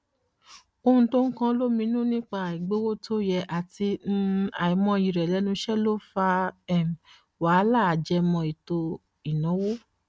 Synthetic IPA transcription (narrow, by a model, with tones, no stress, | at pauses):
o˧ũ˧to˦ŋ̩˦kã˦lo˦mĩ˧˦nũ˦nĩ˦k͡pa˧˨i˨ɡ͡bo˨˦wo˦tʰo˦jɛ˧ʔa˨ti˧n̩˦a˨i˨˧˦mɔ̃˧˦i˨˧˨ɾɛ˨lɛ˨˦nũ˧˦ʃɛ˦lo˦fa˧ɛ˦˨m˨ | wa˨˦la˦˨d͡ʒɛ˧˦mɔ̃˧i˨to˧ | i˨nɔ̃˨˦wo˦